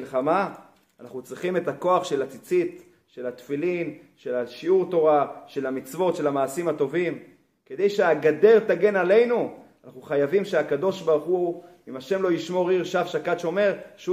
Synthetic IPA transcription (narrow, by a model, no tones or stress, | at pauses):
lχamaː | naχnut͡sʁiχime̞tako̞aχʃe̞lat͡sit͡sit̪ | ʃe̞lat̪filin | ʃe̞laʃiuʁt̪o̞ʁaʃe̞lamit͡svo̞t̪ʃe̞lamaːsimhat̪o̞vim | ked̪ejʃeaɡade̞ʁt̪aɡe̞nale̞jnuanaχnuχajavimʃeakad̪o̞ʃbaʁχu | imaʃe̞mlo̞jiʃmo̞ʁiʁʃavʃakatʃo̞meʁʃ